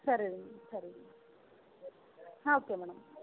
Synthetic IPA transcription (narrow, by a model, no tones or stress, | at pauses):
sɐɾiunːsɐɾi | hãːoːkːeːmɛːɳɐm